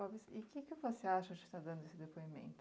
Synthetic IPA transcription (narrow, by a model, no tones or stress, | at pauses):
ɔvɪsɪkɪkɪvoseaʃɐd͡ʒɪ̥st̪ad̪ɐ̃nd̪ʊesɪd̪epoimḛ̃nt̪ʊ